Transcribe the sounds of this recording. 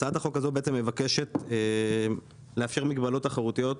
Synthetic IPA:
t͡saataχo̞kazo̞beet͡semːevake̞ʃe̞t̪e | leafʃeʁmiɡbalo̞taχaʁut̪ijo̞t̪

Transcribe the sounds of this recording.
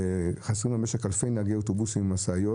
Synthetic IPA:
χasʁimameʃekalfejnaɡeotobusimmasaːjo

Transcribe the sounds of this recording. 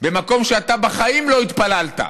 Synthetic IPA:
bemako̞mʃeat̪abaχaimlo̞it̪palalt̪a̰

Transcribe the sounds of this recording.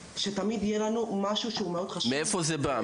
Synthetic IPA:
ʃe̞t̪amid̪ijelanumaʃuʃeumeo̞d̪χaʃmeefozeba

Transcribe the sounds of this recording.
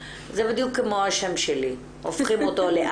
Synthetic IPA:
zebid̪jukːemoaʃemʃeli | ʔofχimot̪oleʔ

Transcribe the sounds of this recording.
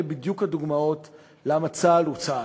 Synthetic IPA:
ebid̪jukhaduɡmao̞t | lamat͡salut͡sa

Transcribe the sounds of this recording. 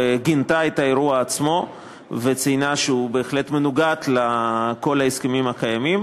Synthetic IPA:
ɡint̪aet̪aeɾuaːt͡smo̞ | vet͡sijnaʃeube̞ːχle̞t̪me̞nuɡat̪lako̞laeskemimakajamim

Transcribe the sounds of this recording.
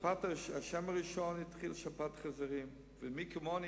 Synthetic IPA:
pataaʃɛmaɾiʃɔnɪtχilˠʃapatχazaɾim | vɪmikɪmɔn

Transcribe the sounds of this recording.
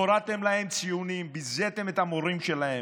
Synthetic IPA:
oɾat̪e̞mlahe̞mt͡sijunimbizet̪e̞met̪amoɾimʃe̞lahe

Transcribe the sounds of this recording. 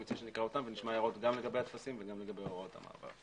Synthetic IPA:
it͡siʃenikʁao̞t̪amveniʃmajaʁo̞t̪ɡamle̞ɡabejhat̪fasimveɡamleɡabeoʁot̪a̰ma̰ːva̰ʁ

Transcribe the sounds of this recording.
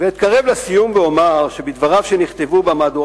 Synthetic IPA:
veit̪̚kaʁevlasijumbeomaʁʃebid̪vaʁavʃeniχt̪e̞vubamaːd̪u

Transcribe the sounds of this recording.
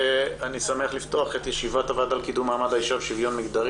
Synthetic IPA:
anisameaχlift̪o̞aχet̪jeʃivatavad̪alkid̪umaːmad̪hajiʃavʃivjo̞nmiɡd̪aʁ

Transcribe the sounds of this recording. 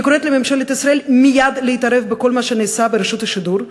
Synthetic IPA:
ikoɾet̪lememʃelet̪isɾaʔelmijad̪leit̪aɾe̞fbeko̞lmaʃeneːsabeɾeʃut̪haʃid̪uɾ

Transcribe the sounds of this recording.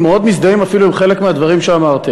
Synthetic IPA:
meo̞d̪mis̬d̪aimafiluimχe̞lekmead̪vaʁimʃeamaʁt̪i

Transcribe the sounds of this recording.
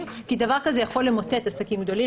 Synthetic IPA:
kid̪avaʁkazejaχo̞lemo̞te̞t̪asakimɡd̪o̞li

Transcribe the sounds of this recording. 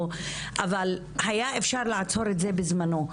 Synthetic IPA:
ʔaval | hajae̞fʃaʁlaʕat͡so̞ɾetze̞bezmano̞

